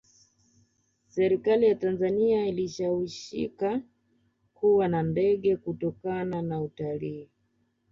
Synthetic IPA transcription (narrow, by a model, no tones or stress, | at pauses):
sɛɾikalijatanzaniailiʃawiʃḭka | kuwanandɛɠɛkutɔkananautaliː